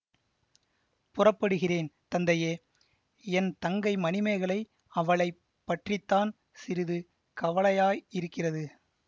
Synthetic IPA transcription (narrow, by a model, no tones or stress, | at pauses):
pʊrɐpːɐɽɯɣɪreːnt̪ɐnd̪ɐjeː | ɛnt̪ɐŋɡɐɪmɐnɪmɐɪɣɐɭɐɪ | ɐʋɐɭɐɪ | pːɐʈrɪt̪ːaːn | sɪɾɪðɯ | kɐʋɐɭɐjaːjɪɾɯkːɪrɐðɯ